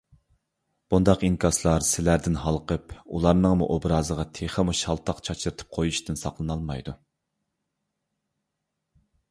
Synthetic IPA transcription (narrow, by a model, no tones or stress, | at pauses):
b̥und̪ɑqinkʰɑslˠɑɾsɪlæɾd̪ɪnɦɑlˠqəpulˠɑɾnɨŋmṵʔobɾɑːzəʁɑt̪ʰeχəmuʃhɑlˠt̪ʰɑqt͡ʃʰɑt͡ʃʰɾɨt̪ʰɨ̥p̚qʰojuʃt̪ɨnsɑqlˠɨnɑlˠmɑjd̪u